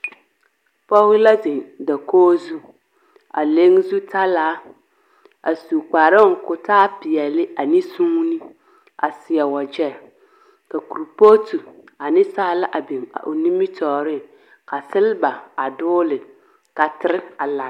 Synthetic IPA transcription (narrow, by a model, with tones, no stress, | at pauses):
pɔ˦ɪ˦la˦ze˨ŋda˨koː˦zu˦ | a̰˨le˦ŋ˦zu˦ta˦laː˨˦ | a̰˨su˨k͡paː˨ɾɪ˦ŋ˨kʊ˨taː˦pɪ˨jɛ˨lɪ˦a˨ni˦sũː˦ŋ˦ni˦ | a̰˨sɪ˨ɛ˨wa˨d͡ʒɛ˦˨ | ka˨ku˨ɾpo˦tu˨a˨nɪ˦saː˦la˦ʔa˨be˨ŋa̰˨ʔo˨ni˦mi˦tʰɔː˨ɾɪ˦˨ | ka˨sɪ˦lɪ˦ba˨a˨dʊː˦lɪ˨ | ka˨tɪ˦ɾɪ˦a˨la˨